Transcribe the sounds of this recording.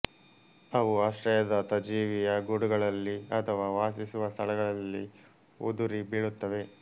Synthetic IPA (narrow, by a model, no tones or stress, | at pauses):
ɐʋuaːʂʈɾɐjɐd̪ɐt̪ɐd͡ʒiːʋijɐɡuɽuɡɐɭɐlːiɐt̪ʰɐʋaːʋaːsisuʋɐst̪ʰɐɭɐɡɐɭɐlːi | ud̪uɾibiɭut̪ːɐʋe̞